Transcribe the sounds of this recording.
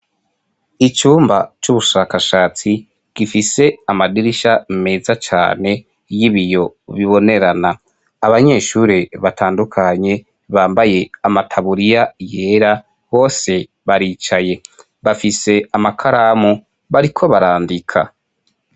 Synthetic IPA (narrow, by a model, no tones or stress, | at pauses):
it͡ʃuːmba̰t͡ʃuβuʃakaʃaːt͡si | ɡ̥ifise̞amadiɾiʃame̞ːzat͡ʃa̰ːne̞ | jiβijo̞βiβo̞ne̞ɾanaː | βaɲe̞ːʃuːɾeβatʰaːndukʰaɲe̞ | βaːmbaje̞amatʰaβuɾijaje̞ːɾa | ho̞ːse̞ | βaɾiːt͡ʃaje̞ | βafise̞amakʰaɾamu | βaɾikʰo̞βaɾaːndikʰa̰